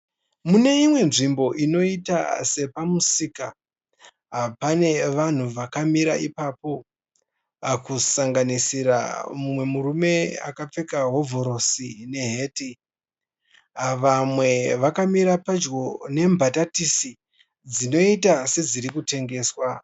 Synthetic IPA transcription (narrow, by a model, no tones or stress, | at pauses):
mune̞imwe̞nʐimbo̞ʔino̞ita̰se̞pamusiːka | ɦapane̞ʋan̤uʋakamiɾa̰ʔipaːpo̞ | akusaŋɡanisiɾa̰mumwe̞muɾume̞a̰kap͡fe̞kaɦo̞vʱo̞ɾo̞sine̞ɦe̞ːti | ʋamwe̞ʋakamiɾapad͡ʒɡo̞ne̞mbʱatatisi | d͡zino̞itase̞d͡ziɾikute̞ŋɡe̞ːswa